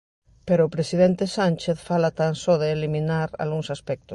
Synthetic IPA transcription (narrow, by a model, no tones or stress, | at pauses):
peɾoːpɾesið̞ent̪esanʲt͡ʃeθfalat̪ansoðeːlimĩnaɾa̰lɣuŋsaspɛk̚t̪os